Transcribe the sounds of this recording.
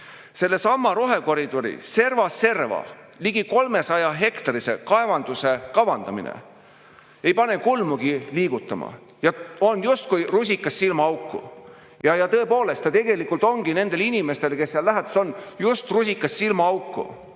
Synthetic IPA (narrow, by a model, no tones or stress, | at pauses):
se̞lːe̞sɑmːɑɾo̞ɦe̞ko̞ɾid̪̥o̞ɾḭse̞rvɑse̞rvɑ̰ | liɡiko̞lme̞sɑjɑɦe̞kt̪ɑɾisekɑe̞vɑnd̪use̞kɑvɑnd̪ɑmḭnḛ | ejpɑne̞kulmuɡiliːɡ̥ut̪ːˑɑmɑ̰ | jɑo̞njust̪̚kujrusʲikːˑɑsːilmɑɑwkːˑṵ | jɑjɑt̪ɤe̞po̞ːle̞st̪ɑt̪e̞ɡe̞likːˑult̪ˑo̞ŋɡ̥ine̞nd̪̥e̞linʲime̞st̪e̞lke̞sːeɑlːæɦæt̪ɑ̥so̞njust̪rus̬ʲikːˑɑsːilmɑɑwkːˑṵ